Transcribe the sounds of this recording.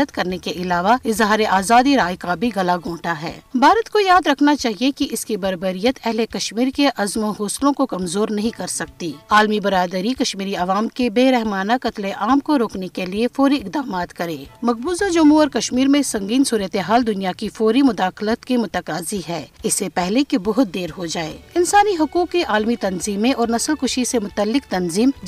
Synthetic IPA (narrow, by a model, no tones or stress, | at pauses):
ət̪kɐɾnekeʔɪlaːʋaɪzɦaːɾeʔaːzaːd̪iɾaːjkabʱiɣɐlaɡʱõːʈaɦɛ̰ːbʱaːɾət̪kojaːd̪ɾɐkʰnat͡ʃaːɦiekiʔɪskibɐɾbəɾijət̪ɛɦlekɐʃmiːɾkeʔɐzmõɦoːslõkokɐmzoːɾnɐɦĩkɐɾsɐk̚t̪iːaːlmibɐɾaːd̪əɾikɐʃmiːɾiɐʋaːmkebeːɾɛɦmaːnakɐt̪leʔaːmkoɾoːknekeliefɔːɾiɪq̚d̪aːmaːt̪kɐɾẽːmɐq̚buːzad͡ʒʊmuɔːɾkɐʃmiːɾmẽsɐ̃ŋɡiːnsuːɾət̪eɦaːld̪ʊnijakifɔːɾimʊd̪aːxlət̪kemʊt̪əkaːziɦɛːɪsːepɛɦlekebɔɦʊt̪̚d̪eːɾɦod͡ʒaːḛːɪnsaːniɦʊkuːkːeʔaːlmit̪ɐnziːmẽʔɔːɾnɐsəlkʊʃisemʊt̪əlːɪkt̪ɐnziːm